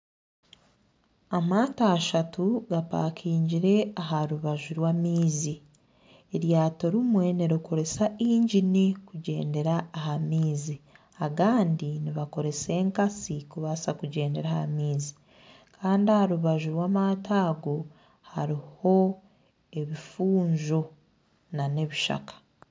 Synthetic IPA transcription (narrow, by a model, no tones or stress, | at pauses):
amataːʃatuɡapa̰kʰiːɲɟiɾe̞aɦaɾuβaʒuɾwaːmiːzi | eɾjaːtoɾimwe̞niɾiko̞ɾe̞saiːɲɟinikuɟe̞̰ːnde̞ɾaːɦamiːzi | aɡaːndiniβako̞ɾe̞se̞ːŋkasikuβasakuɟe̞ːnde̞ɾahha̰miːzi | kʰaːndiahaɾuβaʒuɾwaːmataːɡo | haɾiho̞ | e̞βifuːɲzo | nane̞βiʃa̰kḁ